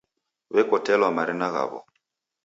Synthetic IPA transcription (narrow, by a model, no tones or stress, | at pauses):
βɛkɔtɛlwamaɾinaɣa̰βɔ̰